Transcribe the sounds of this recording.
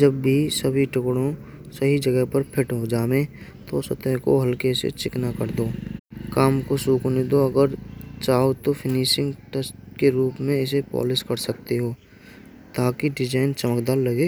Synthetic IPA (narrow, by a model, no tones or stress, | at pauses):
d͡ʒəbːʱisəbʱiʈʊkɽõ | sɐɦid͡ʒəɡəɦpɐɾpʰɪʈɦod͡ʒaːme | t̪osɐt̪əkoɦɐlkesḛt͡ʃɪknakəɾd̪oːkaːmkosuːkned̪oɐɡəɾt͡ʃaːot̪opʰɪniːʃɪ̃ŋɡʈəsʈkeɾuːpmẽɪsepɔ̰ːlɪskɐɾsɐk̚t̪eɦoː | t̪aːkiɖɪd͡ʒaːɪnt͡ʃɐməkd̪aːɾlɐɡe